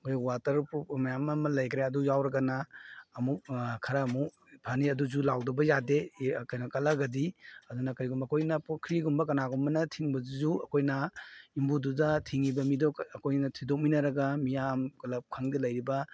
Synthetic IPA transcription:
ɐkʰojwatɐɾpumɐjamːɐmɐlɐjkɾeɐdujawɾɐɡɐnaːmuk̚kʰaɾaːmuk̚ | pʰaniɐduzulawdɐbɐjadekajnɐkɐlaɡɐdiɐdunɐkɾiɡumbɐkʰojnɐpkʰɾiɡumbɐk̬ɐnaɡumbɐnɐtʰiŋbɐzuzuɐkʰojnɐimbududɐtʰiŋibɐmidɔkɐkʰojnɐtʰidɔk̚minɐɾɐɡamijamkɐlɐp̚kʰaŋdilɐjɾibɐ

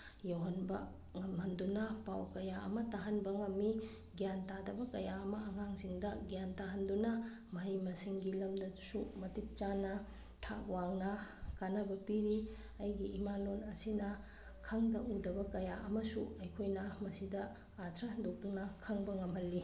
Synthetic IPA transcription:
jowɦɐnbɐ | ŋɐmɦɐndunɐpawkɐjaɐmɐtaɦɐnbɐŋɐmːi | ɡjantadɐbɐkɐjaɐmɐːŋaŋziŋdɐɡjantaɦɐndunɐ | mɐɦijmɐsiŋɡilɐmdɐsumɐtit̚t͡ʃanɐ | tʰawaŋnɐkanɐbɐpiɾi | ɐjɡiːmalonɐsinɐ | kʰɐŋdɐʔundɐbɐkɐjaʔɐmɐsuɐjkʰojnɐmɐsidɐ | at̪ʰɾɐɦɐndok̚dunɐkʰɐŋbɐŋɐmhɐlːi

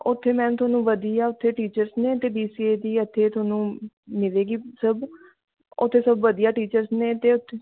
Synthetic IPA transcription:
ʊt̪ʰːeːmɛ̃ːnt̪ʊaːnũːʋəd̪iːaːʊt̪ʰːeːʈiːt͡ʃəɾsneːt̪eːbiːsiːeːd̪iːət̪ʰːeːt̪ʰʊaːnũː | mɪleːɡiːsəb | ʊt̪ʰːeːsəbʋəd̪ijaːʈiːt͡ʃəɾsneːt̪eːʊt̪ʰːe

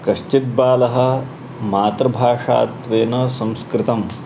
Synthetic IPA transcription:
kɐʃt͡ʃit̪̚baːlɐɦɐ̆ | maːt̪ɾɐbʱaːʂa̰ːt̪ʋeːnɐsɐ̃mskɾɪt̪ɐm

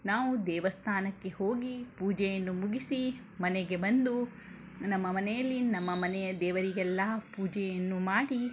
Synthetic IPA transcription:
naːʋud̪ɛːʋɐst̪ʰaːnɐkːe̞ho̞ːɡipuːd͡ʒɛjɐnːumuɡisi | mɐnɛɡe̞bɐnd̪u | nɐmːɐmɐnɛjɐlːinɐmːɐmɐnɛjɐd̪ɛːʋɐɾiɡɛlːɐpuːd͡ʒɛjɐnːumaːɽi

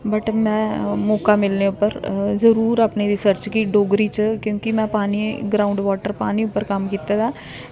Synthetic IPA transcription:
bəʈmɛ̃ːmɔːkaːmɪlneːʊpːəɾzəɾuːɾaːpneɾɪsəɾt͡ʃkiːɖoːɡɾiːt͡ʃkjõːkimɛ̃ːpaːniɡɾaːʊ̃ɳɖʋaːʈəɾpaːniːʊpːəɾkəmkiːt̪aːd̪aː

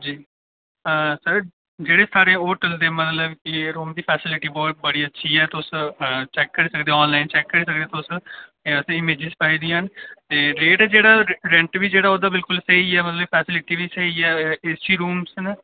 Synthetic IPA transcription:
d͡ʒiː | əsəɾ | d͡ʒeːɽeːsaːɾẽoːʈəld̪ẽːmət̪ləbkɪɾoːmd̪iːpʰɛːsɪlɪʈiːbɔːt̪̚bəɽiːətːʃʰiːɛːt̪ʊst͡ʃɛːkːəɾiːsəkd̪eːɔːnlaːɪnt͡ʃɛːkːəɾiːsək̚d̪eːt̪ʊsəsɪmeːd͡ʒɪzpaːiːd̪ijãːnt̪eːleːʈəd͡ʒeːɽaːɾɛ̃ɳʈʋiːd͡ʒeːɽaːoːd̪aːbɪlkʊlsəɦiɛːmət̪ləbpʰɛːsɪlɪʈiːʋiːsəɦiɛːest͡ʃiːɾuːmsn

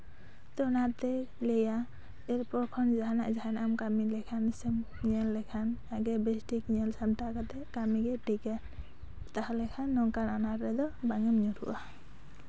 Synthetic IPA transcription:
t̪ɔnat̪ɛ | lɛja | ɛɾpɔɾkʰɔnd͡ʒaɦanaʔzaɦanamkamilɛkʰansɛm | ɲɛlːɛkʰanaɡɛbɛstikɲɛlsamʈakat̪ɛkamiɡɛʈikɛn | t̪ahalɛkʰanːɔŋkananaɾɾɛd̪ɔbaŋɛmɲutʰṵʔa

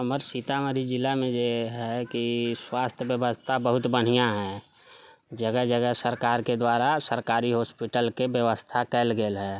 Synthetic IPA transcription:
əməɾsit̪aməd̪ʱid͡ʒɪlːamẽd͡ʒeɦɛkiswaːst̪ʰjəbjəʋəst̪ʰabəɦʊt̪bəɽ̤ijaɦɛ̃ | d͡ʒəɡəɦd͡ʒəɡəɦsəɾkaːɾked̪waːɾasəɾkaːɾiɦoːspiʈəlkebjəʋəst̪ʰakɛlɡeːlɦɛː

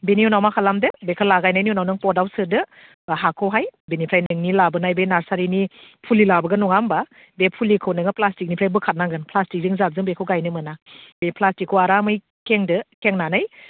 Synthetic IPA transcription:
beniunawmakʰalamdɯbekʰɯlaɡajnajniunawnɯŋpɔdawsɯdɯ | ɦakʰɔwɦajbenipʰɾajnɯŋnilabɯnajbenaɾsaɾinipʰulilabɯɡɯnɔŋamba | bepʰulikʰɯwnɯŋɯplastik̚nipʰɾajbɯkʰat̚naŋɡɯnplastik̚zɯŋzap̚zɯŋbekʰɯwɡajnɯmɯnabepʰlastikʰːɯwaɾamɯj | keŋdɯkeŋnanaj

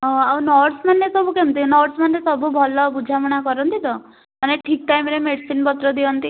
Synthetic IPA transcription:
ɦɔ̃awnɔɾʈsmanːesɔbukemt̪inɔɾʈsmanːesɔbubʱɔlɔbud͡ʒʱamɔɽ̃akɔɾɔnt̪id̪ɔ | maneʈʰik̚ʈajmɾemeɖsinpɔt̪ɾɔd̪iɔnt̪i

